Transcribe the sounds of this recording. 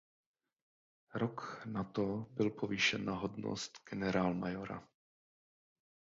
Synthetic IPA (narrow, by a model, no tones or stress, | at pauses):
ɾoknat̪obɪlpʰoviʃɛnːaɦodno̰st̪ɡ̥ɛnɛɾaːlmajoɾa̰